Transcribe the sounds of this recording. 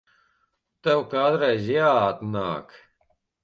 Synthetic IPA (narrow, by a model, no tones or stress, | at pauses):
t̪ɛwkaːd̪ɾɛjzʲjaːt̪na̰ːk